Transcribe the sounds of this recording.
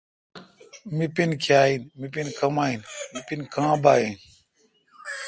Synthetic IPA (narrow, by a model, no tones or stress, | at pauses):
mipinkʰjaːinmipinkəmaːinmipinkãːbaːin